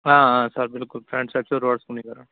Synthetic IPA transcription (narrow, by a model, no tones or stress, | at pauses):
aːãsaːɾbɪlkʊlfɾɛːɳɖsaːt͡ʃːiɔɾʋaːɽskʊɳːikaːɾɐ̃